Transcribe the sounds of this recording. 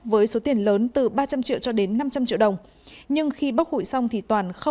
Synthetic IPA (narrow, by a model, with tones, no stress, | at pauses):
vəː˨˦jso˨˦t̪i˨˩ənləː˨˦nt̪ɨ˨˩ɓaː˧t͡ɕa˧mt͡ɕḭ˧˨əwt͡ɕɔ˧ɗe˨˦nːa˧mt͡ɕa˧mt͡ɕḭ˧˨əwɗə˨˩wŋ͡m | ɲɨ˧ŋxi˧ɓaː˦˥k̚hṵ˧˨jsa˧wŋ͡mt̪ʰi˨˩t̪waː˨˩nxə˧